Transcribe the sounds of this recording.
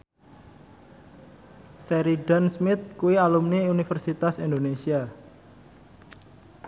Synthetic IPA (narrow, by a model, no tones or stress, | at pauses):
sɛɾiɖansmɪt̪̚kuwialumneunifərsit̪asind̪onesia